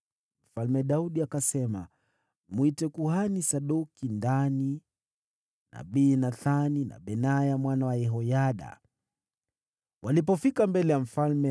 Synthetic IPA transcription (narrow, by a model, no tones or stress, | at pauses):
m̩falmɛɗauɗiakasɛma̰ | muitɛkuhanisaɗukindani | na̰ɓiːnaθanina̰ɓɛnajamwanawajɛɦɔjaɗa̰ | wʔalip̬ɔfikambɛlɛjam̩falmɛ